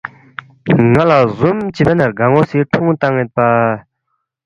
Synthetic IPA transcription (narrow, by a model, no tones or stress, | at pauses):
ŋalazomt͡ɕipanarɡaŋosʰiʈ͡ʂʰoŋt̪aŋːet̪̚pa